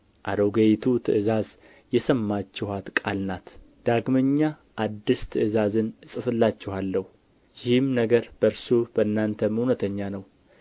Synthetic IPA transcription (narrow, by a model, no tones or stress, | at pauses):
ʔad̪oɡejt̪ʰut̪ʰɨ̰ʔɨzaz | jɛsəmːat͡ʃːɛhat̪kʼalnat̪ | d̪̥aɡməɲːa | ʔːd̪ːist̪ʰɨʔɨzazɨnɨsʼɨfɨlːat͡ʃːɛhalːəhu | jɪhɨmnəɡəɾb̥əɾsub̥əɨnːant̪ʰəmhunət̪ʰəɲːanəw